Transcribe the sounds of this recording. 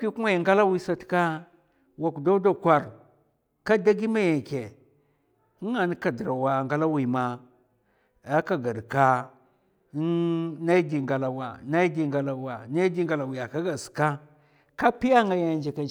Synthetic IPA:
ki˦ku˦ma˦ja˨ŋɡa˦la˦wi˦sa˨tka˦ | wa˨ku˨da˦da˦kʷa˨ɾ | ka˦da˦ɡi˦ma˦ja˨ke˨˦ | ŋa˨ni˦ka˨di˨ɾa˨wa˨ŋɡa˦la˦wi˨ma˨ | a˦ka˨ɡa˨dka˦ | na˦i˦di˨ŋɡa˨la˨wa˨na˦jdi˨ŋɡa˨la˨wa˨na˦di˦ŋɡa˨la˨wi˨ja˨ka˦ɡa˨ska˦ | ka˦pi˦ja˦ŋɡa˨ja˨nd͡ʒi˨ka˨

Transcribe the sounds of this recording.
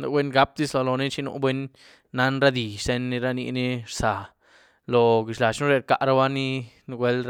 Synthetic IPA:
na̰˧bwʷe˦nɡa˦p̚d̪i˦slo˧lo˨ni˦t͡ʃi˦nṵ˧bʷwe˦nː | a˧˦nɾa˦d̪i˨se˧nːi˧ɾa˦nḭ˧ni˦ɾsa˨ | lo˨ɡi˨ʃla˨t͡ʃnu˦ɾe˧ɾka˧ʔɾa˦ba˦ni˦n˧ɡʷe˦lɾ

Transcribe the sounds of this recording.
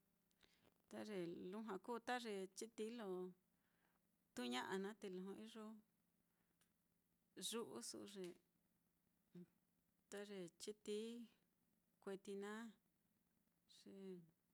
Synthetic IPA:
t̪a˦ʐe˨lu˦ɦã˧kuː˦t̪a˦ʐe˧˨t͡ʃi˦t̪i˧˦lo˧ | t̪u˦ɲã˦ʔa˧nã˦t̪e˧lõ˧ɦõ˧i˦ʐo˦ | ʐu˦ʔṵ˦sṵ˧ʐe˨ | t̪a˦ʐe˧t͡ʃi˦t̪i˦ | kʷe˧t̪i˧nã˦ | ʐ̥e˨

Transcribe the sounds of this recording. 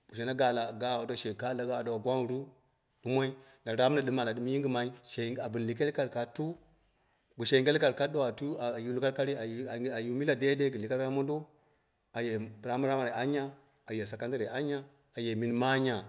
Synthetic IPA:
b̥u˨ʃ̬e˨na˦ɡa˨la˨ɡa˦˨do˨ʃe˨ka˦la˨ɡa˦˨do˨a˨ɡʷa˦n˨ɾu˦ | ɗu˦mo˦i˦na˨ɾa˦m˦na˨ɗɨ˦ma˨na˨ɗɨ˦m˦ji˦ŋɡi˦˨ma˨i˦ʃe˨a˨bɨ˨n˨li˨k̬e˦lka˨ɾka˨tu˦ | bu˨ʃe˨˦ɡe˦lka˨ɾka˦do˦a˨tu˦a˨ju˦lka˦ɾka˦ɾi˦a˨a˨˦a˨ju˦mi˦la˨de˦de˦ɡli˨ka˦ɾa˦mo˦n˦do˦ | a˨je˨pɾa˦ma˦ɾa˦ma˨ɾe˨a˦ɲa˦ | a˨je˨sa˨ka˦n˦ta˦ɾe˨a˦ɲa˦ | a˨je˨mi˨˦nma˦ɲa˨

